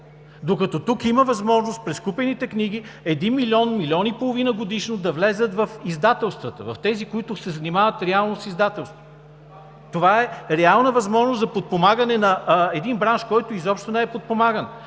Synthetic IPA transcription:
d̪okɐt̪ɔt̪ukiməvɐzmɔʒnost̪̚pɾɛskupɛnit̪ɛkniɡ̟iɛd̪inmilʲɔnmilʲiɔnipolˠovinəɡod̪iʃnod̪ɐvlɛzət̪vɐfizd̪at̪ɛlˠst̪vət̪ə̰vɐft̪ɛzikoit̪ʊsɛzɐnimavət̪ɾɛalˠnosizd̪at̪ɛlˠst̪vo | t̪ovaɛɾɛalˠnəvɐzmɔʒnosɐpot̪̚pomaɡənɛnɐɛd̪inbɾanʃkɔjt̪ʊizɔpʃt̪onɛɛpot̪̚pomaɡən

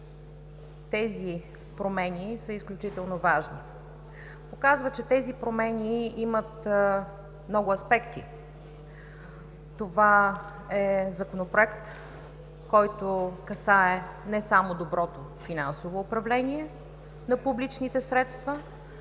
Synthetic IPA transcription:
t̪ɛzi | pɾomɛnisəisklʲut͡ʃit̪ɛlˠnovaʒni | pokazvət͡ʃɛt̪ɛzipɾomɛniimət̪ | mnɔɡʊɐspɛkt̪ḭ | t̪ova | ɛzɐkonopɾoɛkt̪ | kɔjt̪okɐsaɛnɛsamod̪obɾɔt̪o | finansovoːpɾɐvlɛnʲiɛ | nɐpublit͡ʃnit̪ɛsɾɛt̪st̪və

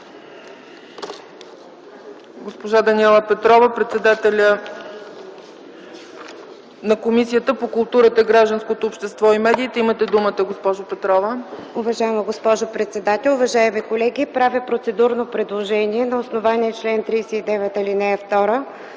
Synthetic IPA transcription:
ɡospoʒad̪ɐniɛlˠəpɛt̪ɾɔvəpɾɛt̪sɛd̪at̪ɛlʲə | nɐkomisijət̪əpokʊlˠt̪uɾət̪əiɡɾaʒd̪ənskot̪oːpʃt̪ɛst̪vɔimɛd̪iːt̪ɛimət̪ɛd̪umət̪əɡospɔʒopɛt̪ɾɔvəʊvɐʒaɛməɡospɔʒopɾɛt̪sɛd̪at̪ɛlʲˠʊvɐʒaɛmikolɛɡʲipɾavʲipɾot̪sɛd̪uɾnopɾɛd̪lˠoʒɛniɛnɐosnovaniɛt͡ʃlɛnt̪ɾiːsɛid̪ɛvɛt̪ilinɛft̪ɔɾə

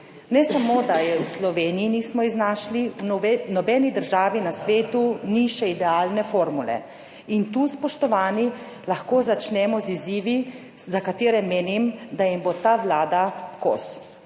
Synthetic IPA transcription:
nɛsamoːd̪ajɛwslɔʋeːniinismɔiznaːʃlinɔbɛːnid̪əɾʒaːʋinasʋeːt̪uniʃɛid̪ɛaːlnɛfoːɾmulɛ̰ | int̪uspɔʃt̪ɔʋaːni | laxkoːzat͡ʃnɛmɔziziːʋi | zakat̪eːɾɛmeːnimd̪ajimbot̪aːʋlaːd̪ako̰s

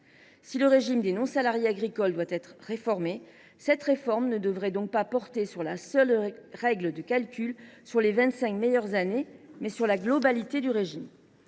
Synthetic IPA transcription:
siləʁeʒimd̪enɔ̃salaʁjeaɡʁikɔld̪wat̪ɛt̪χʁefɔʁme | sɛt̪ʁefɔʁmnəd̪əvʁɛd̪ɔ̃k̚papɔʁt̪esyʁlasœlʁɛɡləd̪əkalkʲylsyʁlevɛ̃t̪sɛ̃kmɛjœʁzanemɛsyʁlaɡlɔbalit̪ed̪yʁeʒim

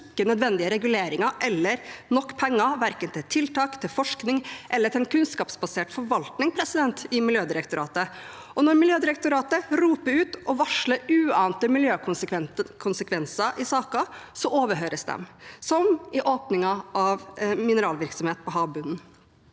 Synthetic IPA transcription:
ɪkːənœd̪ʋɛnd̪ɪəɾɛɡʉleːɾɪŋɑʔɛlːəɾnɔkːpʰɛŋːɑʋæɾkənt̪ʰɪt̪ʰɪlt̪ɑːkt̪ʰɪlfɔʂknɪŋʔɛlːəʈ̪ʰɪlɛnkʰʉnskɑːpsbɑseːʈfɔɾʋɑlt̪nɪŋpʰɾɛsɪd̪ɛnt̪ɪmɪljøːd̪ɪɾɛkt̪ʊɾɑ̰ːt̪ə | ʔɔnɔɾmɪljøːd̪ɪɾɛk̚t̪ʊɾɑːt̪əɾuːpəɾʉːt̪ɔʋɑʂləɾʉːɑːnt̪əmɪljøːkkʋɛkʰʊnsəkʰʋɛnsɑʔɪsɑːkɑsɔʔoːʋəɾɦøːɾəsd̪ɛ̰msɔmɪʔoːpnɪŋɑɑʋmɪnəɾɑːlʋɪɾksɔmheːt̪̚pʰɔɦɑːbʉnn̩

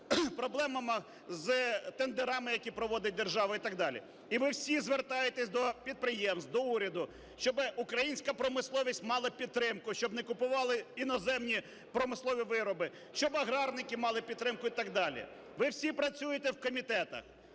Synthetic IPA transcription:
pɾɔblˠɛmɐmɪ | zt̪end̪eɾɑmɪjɐkʲipɾɔʋɔd̪ɪt̚ʲd̪erʒɑʋɐit̪ɑɡ̚d̪ɑlʲḭ | iʋɪwsʲizʋert̪ɑjet̪ɛsʲd̪ɔpʲid̪̚pɾɪjɛmst̪d̪ɔuɾʲɐd̪ʊ | ʃt͡ʃɔbɪʔʊkɾɐjinʲsʲkɐpɾɔmɪslˠɔʋʲisʲtʲmɑlˠɐpʲid̪̚ɾɪmkʊʃt͡ʃɔbnɛkʊpʊʋɑlˠɪinɔzɛmnʲi | pɾɔmɪslˠɔʋʲiʋɪɾɔbɪ | ʃt͡ʃɔbɐɦɾɑrnɪkɪmɑlˠɪpʲid̪̚t̪ːɾɪmkʊit̪ɑɡd̪ɑlʲḭ | ʋɪwsʲipɾɐt͡sʲujet̪ɛwkɔmʲit̪ɛt̪ɐ̰x

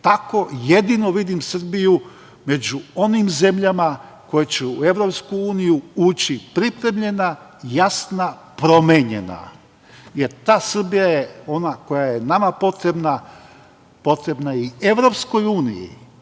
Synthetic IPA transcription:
t̪ako̞je̞d̪ino̞ʋid̪imsr̩biju | me̞d͡ʑuo̞nimze̞mʎama | ko̞jet͡ɕeue̞ʋɾo̞pskuuːnijuuːt͡ɕipɾipɾe̞mʎe̞na | jasna | pɾo̞meɲe̞̰na̰ | je̞ɾt̪aːsr̩bijajeo̞nako̞jaje̞namapo̞t̪ɾebna | po̞t̪ɾe̞bnaieʋɾo̞psko̞juːnḭjḭ

